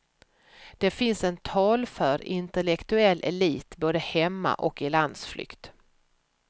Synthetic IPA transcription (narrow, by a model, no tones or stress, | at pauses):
d̪̥ɛfɪnsɛnt̪ʰɑːlfœɾɪnt̪ɛlɛkt̪ɵɛlːʔɛ̰liːt̪boːd̪əhɛmːa̰ʔɔkɪland̪sflʏ̰kt̪